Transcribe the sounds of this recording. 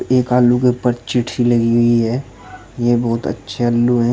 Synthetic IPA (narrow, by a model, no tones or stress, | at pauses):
eːkaːlukepɐɾt͡ʃɪʈʰilɐɡiɦʊiɦɛː | jebɔːt̪ə̰tːʃʰealːuɦɛ